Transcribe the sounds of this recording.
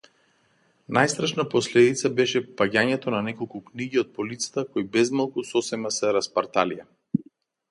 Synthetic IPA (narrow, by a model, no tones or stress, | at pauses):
najst̪ɾaʃnapɔslɛd̪it̪sabɛʃɛpaɟaɲɛt̪ɔnanɛkɔlˠkukniɟiɔt̪̚pɔlit̪sḁt̪akɔjbɛzmalˠkusɔsɛmasɛɾaspaɾt̪alija